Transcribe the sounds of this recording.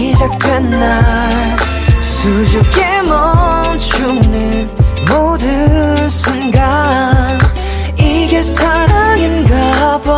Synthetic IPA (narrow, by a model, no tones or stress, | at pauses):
id͡ʑʌk̚tenːa | sud͡ʑup̚k͈emʌ | nt͡ɕʰuŋnɯnmodɯ | sʰunɡa | iɡesaɾaŋinɡaba